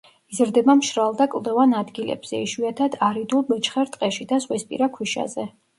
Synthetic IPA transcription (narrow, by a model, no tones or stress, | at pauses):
izɾd̪ɛbamʃɾalˠd̪akʼwlˠd̪ɛvanad̪ɡilɛ̰bz̥ɛ̰iʃwiat̪ʰad̪aɾid̪ulˠbɛt͡ʃʰʼχɛɾt̪ʼqʼɛʃid̪azʁwispʼḭɾakʰwiʃa̰zɛ